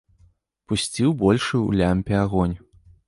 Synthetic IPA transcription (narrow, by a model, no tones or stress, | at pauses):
pusʲt͡sʲiwbɔlʲʂɨṵlʲamʲpʲɛaɣɔnʲ